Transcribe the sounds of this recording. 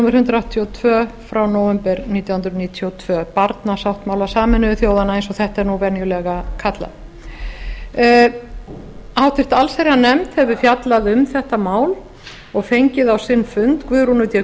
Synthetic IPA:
mʏɾ̥hʏnt̪ɾaawht̪ʰjiɔt̪ʰvœːfɾawnoːwvɛmpɛɾniːt̪jawhnt̪ɾniːt̪ʰiɔwt̪ʰv̥œːpaɾt̪nasawht̪maːwlasaːmɪnʏvɪθjowðanaejnsɔɣθɛht̪ɛɾnuvɛnjʏlɛɣakʰat̪la̰ | awt̪ɪ̥t̪alsɛɾanɛmt̪hɛvʏfjat̪laðʏmθɛht̪amaːwl | ɔɣfejɲcɪðawsɪnːfʏnt̪kvʏðɾunʏt̪jɛ

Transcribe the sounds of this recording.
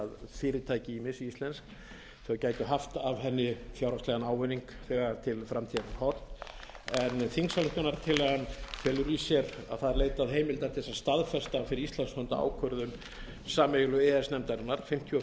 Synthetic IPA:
aðfɪːɾɪt̪ʰaːjcɪimɪsiist̪lɛnsk̚ | θɛɣacaːjt̪ʏɦaft̪avɦɛnːɪfjawɾast̪lɛɣanaːwvʏniŋkθɛɣat̪ʰɪlfɾamt̪ʰiak̪hɔt̪ | ɛnθiŋsalʏht̪ʏnaɾt̪ʰɪlhanfɛlʏɾisjɛɾa̰ðθaðɛɾleːjt̪aðɦeːjmɪlt̪aɾt̪ʰθɛsːast̪aðfɛst̪afɪɾɪɾist̪lɛnshœnt̪aa̰wkʰœɾðʏm | saːmɛjʏlʏɛɛsnɛmt̪aɾɪnːaɾ̥fɪm̥t̪ʰjiɔ

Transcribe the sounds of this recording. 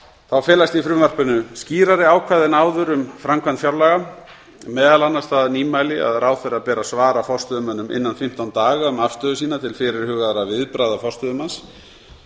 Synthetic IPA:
θawfɛːlast̪ifɾʏːvar̥pʏnʏsciːɾaɾɪaːwkʰvaːðɪnaːwðʏɾʏmfɾamkʰvant̪fjawɾlaɣa | mɛːðalanːast̪aðniːmajlɪa̰ðrʔaːwθɛɾaðpɛːɾasvaːɾafɔr̥st̪ʏðʏmœnːʏmɪ̰nːanfɪm̥t̪awnt̪aːɣaʏmafst̪œːðʏsiːnat̪ʰɪlfɪɾɪɾ̥hʏːɣaðɾavɪðpɾaːðafɔr̥st̪œðʏmans

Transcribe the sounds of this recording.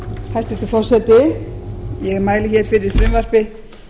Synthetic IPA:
hʰajst̪ɛ̥t̪ʏfɔr̥sɛt̪ɪ | jɛɣmaːjlɪçɛɾ̥fɪɾɪɾ̥fɾɪmvar̥pɪ

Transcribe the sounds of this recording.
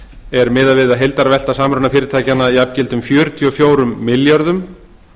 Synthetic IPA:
ɛɾmɪːðaðvɪðaɦejlt̪aɾvɛl̥t̪asaːmɾʏnafɪːɾɪɾt̪ʰaːjcanːaiapcɪlt̪ʏmfjœːɾʏt̪ʰjiɔfjoːwɾʏmːɪljaɾðʏm

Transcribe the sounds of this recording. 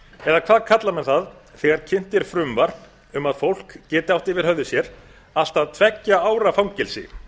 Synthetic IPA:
ɛðakʰvaːðkʰat̪lamɛnθaðθɛɣaɾcʰɪn̥t̪ɪɾ̥fɾʏmvaɾn | ʏmaðfowl̥kcɛːt̪ɪawht̪ɪvɪɾ̥hœðʏsjɛɾ | al̥t̪aðt̪ʰvɛcːaaːwɾafawŋcɪlsɪ̰

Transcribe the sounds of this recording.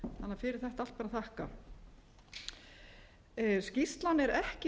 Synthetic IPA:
θanːafɪɾɪɾ̥θɛht̪aal̥t̪paːɾaθahka̰ | scist̪lanːɛɾɛhcɪ

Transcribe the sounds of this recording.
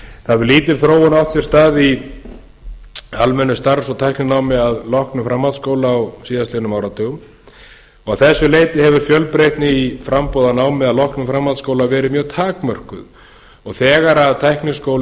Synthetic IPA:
θavʏɾliːt̪ɪɾ̥θɾoːwʏnawht̪sjɛɾ̥st̪aːði | almɛnʏst̪aɾsɔt̪ʰajhknɪnaːwmɪaðlɔhknʏfɾamːawðskoːwlaːwsiːðast̪enʏmaːwɾat̪ʰœɣʏm | ɔɣawθɛsːʏleːjt̪ɪhɛvʏɾ̥fjœlpɾejht̪nɪifɾampoːwðanaːwmɪaðlɔhknʏfɾamːawðskoːwlavɛːɾɪmjœːɣt̪ʰaːkmœr̥kʏ̰ð | ɔɣθɛːɣaɾaðt̪ʰajhknɪskoːwl

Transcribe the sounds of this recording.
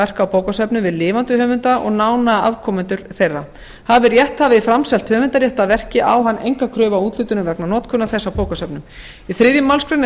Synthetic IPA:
ɛr̥kawpʰoːwkasœpnʏvɪðlɪːvant̪ʏhœːvʏnt̪aʔɔ̰ɣnaːwnaa̰vkʰɔːmʏnt̪ʏɾ̥θejra | haðvɪɾjɛht̪havɪifɾamsɛlt̪hœːvʏnt̪aɾjɛht̪aðvɛr̥cɪʔawɦanːʔḛjŋkakʰɾœːvauːt̪lʏt̪ʏnʏmvɛknanɔːt̪kʰʏnːaθɛsːawpʰoːwkasœpnʏm | iθɾɪðjʏmːawlskʰɾɛn

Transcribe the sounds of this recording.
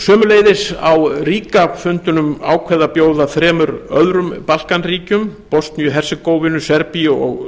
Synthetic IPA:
sœːmʏleːjðɪsawriːkafʏnt̪ʏnʏmaːwkʰvɛðapjoːwðaθɾɛːmʏɾœðɾʏmpal̥kanriːcʏmpɔst̪nijʏɦɛr̥sɪkowvɪnʏsɛɾpiɔ̰ɣ

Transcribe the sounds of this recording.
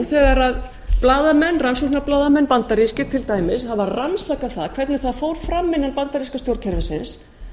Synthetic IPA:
θɛːɣaɾað | plaːðamɛnːransusnaplaːðamɛnːpant̪aɾiskcɪɾ̥t̪ʰɪlt̪aːjmɪshavarransakaθaðkʰvɛɾt̪nɪθaðfowɾ̥fɾamːɪnanpant̪aɾiskast̪jowɾcʰɛɾvɪsɪns

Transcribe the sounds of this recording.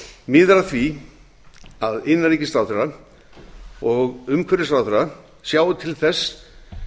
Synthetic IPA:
mɪðɾaθvi | aðɪnːaɾijcɪst̪ɾawθɛɾa | ɔɣʏmkʰvɛɾɪst̪ɾawθɛɾa | sjaːwʏt̪ʰɪlθɛsː

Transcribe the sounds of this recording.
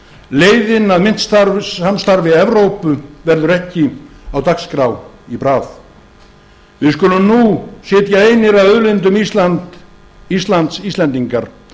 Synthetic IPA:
leːjðɪnaðmɪn̥t̪st̪aɾamst̪aɾvɪɛvɾowpʏvɛɾðʏɾɛhcɪawt̪akskɾaw | ipɾaːθ | vɪðskʏlʏmnusɪːt̪jaejnɪɾaðœðlɪnt̪ʏmiant̪ | ist̪lant̪sisɛnt̪iŋkaɾ̥

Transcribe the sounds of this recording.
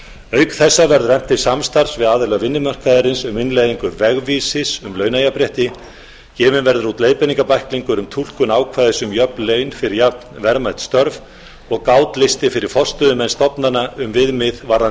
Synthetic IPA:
œːɥkθɛsːavɛɾðrɛm̥t̪ɪ̥samst̪aɾ̥svɪðaːðɪlɛɣvɪnːɪmœr̥kaðɪɾɪnsʏmɪnlejðiŋkʏɾvɛɣviːsɪsʏmlœːɥnajapɾjɛht̪ɪ | cɛːvɪnvɛɾðʏɾut̪leːjpɛniŋkapajhkliŋkʏɾʏmt̪ʰul̥kʏnaːwkʰvaːjðɪsʏmjœpleːɥnfɪɾɪɾjapn̥vɛɾmajt̪st̪œɾv | ɔɣkaːwt̪lɪst̪ɪfɪɾɪɾ̥fɔst̪ʏðʏmɛnst̪ɔpnanaʏmvɪðmɪðvaɾðanɪ

